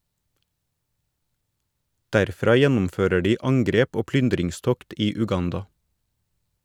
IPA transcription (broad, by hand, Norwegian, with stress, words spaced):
dæɾˈfɾɑː ˈjɛnm̩ˌføːɾə ˈɖiː ˈɑŋɡɾeːp ˈoː ˈplʏndɾɪŋˌstɔkt ˈiː ʉˈɡɑndɑ